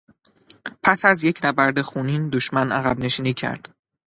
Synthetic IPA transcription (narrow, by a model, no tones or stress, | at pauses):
pʰæsæzje̞cʰnæbæɾd̪e̞xuːniːnd̪oʃmænæɣæbne̞ʃiːniːcʰæ̰ɾd̪̥